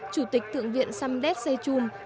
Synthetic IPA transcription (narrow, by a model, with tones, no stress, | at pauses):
t͡ɕu˧˩t̪ï˨˩k̟̚t̪ʰɨ̰˧˨əŋvḭ˧˨ənsa˧mɗɛ˦˥t̚zə˧jt͡ɕu˧m